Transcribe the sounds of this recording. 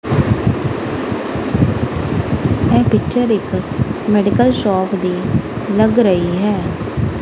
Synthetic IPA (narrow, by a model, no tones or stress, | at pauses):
ɛ̃ːpɪkt͡ʃəɾɪkmɛːɖɪkəlʃɔːpʰd̪eː | ləɡɾəiːɦɛː